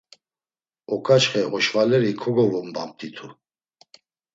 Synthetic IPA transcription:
ɔkʰʼat͡ʃχɛɔʃvalɛɾikʰɔɡɔvɔmbam̚t̪ʰʼit̪ʰu

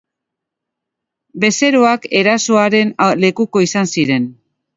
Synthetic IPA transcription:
be̞se̞ɾoake̞ɾaso̞aɾe̞nale̞kuko̞isansiɾe̞n

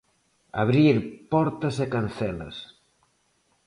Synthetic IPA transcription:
a̰βɾiɾpɔɾt̪ɐsekan̟θɛlɐ̰s

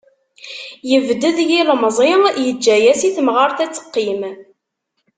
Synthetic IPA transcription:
jəvd̪əðjilmzˤɪjəd͡ʒːæjæsiθmʁəɾˤθæt͡sːə̥qːim

